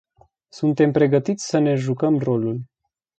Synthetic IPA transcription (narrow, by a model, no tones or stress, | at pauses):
sunt̪e̞mpɾe̞ɡət̪it̪sʲsəne̞ʒukəmro̞lul